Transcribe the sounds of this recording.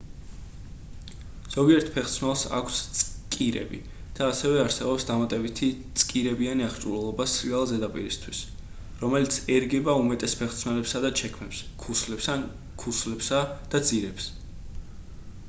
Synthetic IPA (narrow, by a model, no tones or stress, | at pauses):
z̥ɔɡiɛɾt̪ʰpʰɛχt̪sʰmɛlˠsa̰kʷʰst̪sʼkʼiɾɛ̰bḭ | d̪̥aːsɛvɛaɾsɛbɔpsd̪amat̪ʼɛbit̪ʰit̪sʼkʼiɾɛbianiaχɾt͡ʃʼuɾɛlˠɔbasɾialˠzɛd̪apʼḭɾist̪ʰwis | ɾɔmɛlit̪sʰɛɾɡɛbaumɛt̪ʼɛspʰɛχt̪sʰmɛlɛpsad̪at͡ʃʰɛkʰmɛpskʰuslɛpsa | kʰuslɛpsad̪̥ad̪ziɾɛps